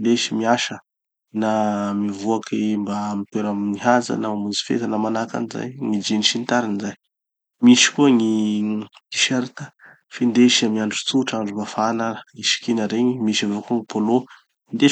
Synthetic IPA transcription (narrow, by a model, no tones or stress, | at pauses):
d̪eʃimiaʃə | namivuakʰimbamit̪weɾamniɦaza̰namamuzi̥fḛt̪ənamanaka̰niza̰jŋid͡ʒiniʃint̪aɾinzaj | miʃi̥kuəŋi | i̥ʃeɾit̪ə̥ | fend̪eʃamiaɳɖ͡ʐu̥t͡suʈ͡ʂaɳɖ͡ʐumbafanaəiʃi̥kinəɾeɲimiʃavokuəŋipʰolo | ind̪e